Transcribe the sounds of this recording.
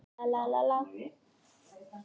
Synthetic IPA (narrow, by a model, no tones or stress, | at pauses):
alalala